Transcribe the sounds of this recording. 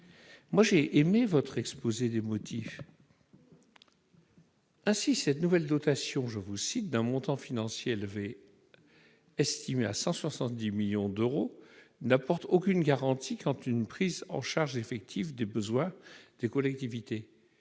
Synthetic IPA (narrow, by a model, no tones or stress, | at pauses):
mwaʒeʔemevɔt̪χɛkspozed̪emɔt̪ʰif | ɛ̃sisɛt̪nuvɛld̪ɔt̪asjɔ̃ʒəvusit̪̚d̪ɛ̃mɔ̃t̪ɑ̃finɑ̃sjeɛlvɛ | ɛst̪ʰimeasɑ̃swasɑ̃t̪̚d̪imiljɔ̃d̪øʁonapɔʁt̪okʲynɡaʁɑ̃t̪ʰikʰɑ̃t̪ynpχizɑ̰̃ʃaʁʒefɛk̚t̪ʰivd̪ebəzwɛ̃d̪̥ekɔlɛk̚t̪ivit̪e